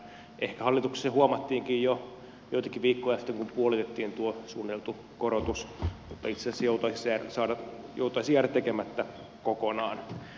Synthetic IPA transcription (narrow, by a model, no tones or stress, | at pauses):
ʔehkæhɑlːit̪ukse̥sehuomɑt̪ːiːŋkijjo | joit̪ɑkiʋiːkːoiɑst̪ːeŋkumpuolit̪et̪ːiːnt̪uosuːnit̪elt̪u | koɾot̪usmut̪ːɑit̪sesɑsːjout̪ɑisisærsɑːdɑ | jo̰ut̪ɑisijært̪ekemæt̪ːæ | kokonɑːn